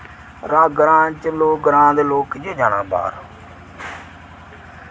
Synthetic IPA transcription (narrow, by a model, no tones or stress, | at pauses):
ɾaːɡɾãːt͡ʃəloːɡəɾãːd̪eːloːkd͡ʒeːd͡ʒaːnãːba̰ːɾ